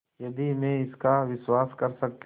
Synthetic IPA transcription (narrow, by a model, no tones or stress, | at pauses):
jɐd̪imẽɪskaʋɪswaːskɐɾsɐk̚t̪